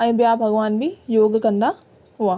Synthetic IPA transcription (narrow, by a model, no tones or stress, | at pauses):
ɛ̃ːbijaːbʱɐɡʋaːnbʱijoːɡkɐ̃nd̪a | ɦʊaː